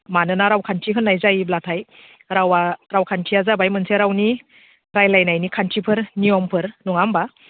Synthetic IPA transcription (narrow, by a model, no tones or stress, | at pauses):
manɯnaɾawkʰantʰiɦɯnːajzajiblatʰaj | ɾawaɾawkʰantʰiazabajmɯnseɾawni | ɾajlajnajnikʰantʰipʰɯɾnijɔmpʰɯɾnuŋamba